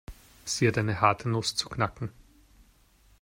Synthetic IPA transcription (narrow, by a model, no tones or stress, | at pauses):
z̥iːədaɪnəhaɐtʰənʊst͡su̥kʰnakŋ̩